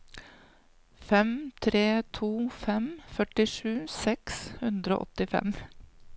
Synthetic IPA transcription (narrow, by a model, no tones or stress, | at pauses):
fɛmt̪ʰɾeːt̪ʰuːfɛmfœʈɪʂʉːsɛkshʉnd̪ɾo̰ːʔɔ̰t̪ɪfɛ̰m